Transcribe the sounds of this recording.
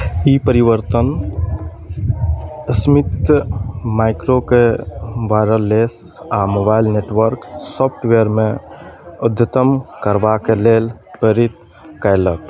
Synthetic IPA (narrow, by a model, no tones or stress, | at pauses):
ipəɾiʋəɾt̪ən | əsmit̪ | maɪkɾokebaɾəles | amobaːɪlneːʈʋəɾksɔpʰʈʋeɾmẽ | ʊd̪ʱːət̪əmkəɾbakeleːlpəɾit̪ | kəjlək